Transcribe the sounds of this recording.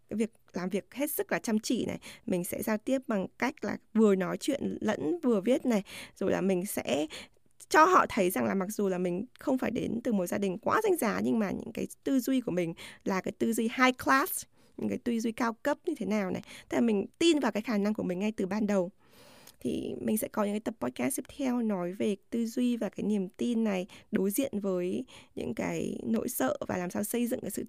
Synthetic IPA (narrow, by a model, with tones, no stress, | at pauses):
kaː˨˦jvi˨˩ək̚laː˨˩mvi˨˩ək̚he˦˥t̚sɨ˦˥k̚laː˨˩t͡ɕa˧mt͡ɕḭ˧˨nʔa̰˨˩jmï˨˩ŋ̟sɛ̰˧˥zaː˧wt̪i˦˥əp̚ɓa˨˩ŋka˦˥jk̟̚la̰ː˨˩vɨ˨˩ənɔ˨˦jt͡ɕwḭ˧˨ənlə̰˧˥nvɨ˨˩əvi˦˥ət̚na˨˩jz̥o˨˩jla̰ː˨˩mï˨˩ŋ̟sɛ̰˧˥ | t͡ɕɔ˧ɦɔ̰˧˨t̪ʰə˨˦jza˨˩ŋlaː˨˩ma˨˩k̚z̥u˨˩laː˨˩mï˨˩ŋ̟xə˧wŋ͡mfaː˧˩jɗe˨˦nt̪ɨ˨˩mo˨˩t̚zaː˧ɗï˨˩ŋ̟kwaː˨˦za˨˧jŋ̟zaː˨˦ɲɨ˧ŋmaː˨˩ɲɨ̰˧˥ŋkaː˨˦jt̪ɨ˧zwi˧ku˧˩əmï˨˩ŋ̟laː˨˩kaː˨˦jt̪ɨ˧zwi˧haː˧jklaː˦˥s | ɲɨ̰˧˥ŋkaː˨˦jt̪wi˧zwi˧kaː˧wkə˦˥p̚ɲɨ˧t̪ʰe˨˦naː˨˩wna̰˨˩jt̪ʰmi˨˩ŋ̟t̪i˧nvaː˨˩wkaː˨˦jxaː˧˩na˧ŋku˧˩əmï˨˩ŋ̟ŋa˧jt̪ɨ˨˩ɓaː˧nɗə˨˩w | t̪ʰḭ˨˩mï˨˩ŋ̟sɛ̰˧˥kɔ˨˦ɲɨ̰˧ŋkaː˨˦jt̪ə˨˩pːɔ˦˧t̚kaː˦˥sti˦˥p̚t̪ʰɛ˧wnɔ˨˦jve˨˩t̪ɨ˧zwi˧vaː˨˩kaː˨˦jni˨˩əmt̪i˧nːa˨˩jɗo˨˦jzḭ˧˨ənvəː˨˦jɲɨ̰˧˥ŋka̰ː˨˦jno̰˧˥jsə̰ː˧˨vaː˨˩laː˨˩msaː˧wsə˧jzɨ̰˧˨ŋkaː˨˦jsɨ̰˧˨